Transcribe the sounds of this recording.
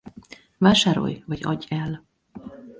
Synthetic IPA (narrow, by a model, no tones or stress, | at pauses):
vaːʃaːɾo̞̰jvɒɟɒ̰ɟːɛl